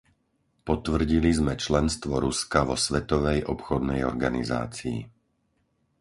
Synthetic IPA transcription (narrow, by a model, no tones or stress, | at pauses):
pɔt̪ʋr̩ɟilizmɛt͡ʃlɛnst̪ʋɔɾuskaʋɔsʋɛt̪ɔʋɛjʔɔpxɔd̪nɛjɔ̰ɾɡaniza̰ːt͡sḭː